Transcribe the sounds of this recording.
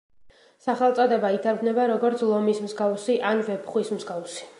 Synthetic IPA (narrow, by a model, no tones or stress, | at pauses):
saχɛlˠt̪sʼɔd̪ɛbait̪ʰand̪nɛbaɾɔɡɔɾt̪sʰlˠɔmismzɡawsiʔanvɛpʰχwismzɡafsi̥